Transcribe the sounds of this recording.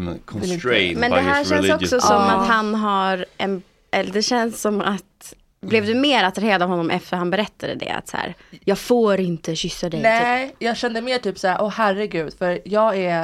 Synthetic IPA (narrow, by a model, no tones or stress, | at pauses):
kʰɔɛmɛnd̪ɛɦæːɾʃɛnsɔkksɔsɔmːat̪ɦanɦaɾɛn | ʔɛlːd̪ɛɕɛnsːɔmːat̪ | blɛvd̪ɵmeːɾat̪ɾakheːɾad̪avhɔnːɔmʔɛft̪əɾhanbɛɾɛt̪ʰːad̪ə̰d̪ɛ̰a̰t̪sæ̰ːɾjɑːɡfoːɾɪnt̪əɕʏsːad̪ɛj̪ɛjɑːɡɕɛnd̪əmeːʈyːpsæːɾʔɔhæɾɪɡʉ̟ːd̪̥fœɾjɑːɡæ